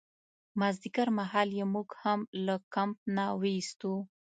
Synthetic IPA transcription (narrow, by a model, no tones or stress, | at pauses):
mazd̪ikaɾmaɦɑljemuɡhamlakamp̚nawəist̪u